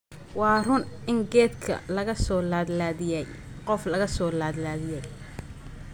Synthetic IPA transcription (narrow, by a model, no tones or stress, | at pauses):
wɑːrʊnʔɪŋɡɛːd̪kʰɐ̰lɐɣɐsɔːlaːd̪laːðɪjɛj | qɔflɐɣɐsɔːlaːd̪laːðɪjɛj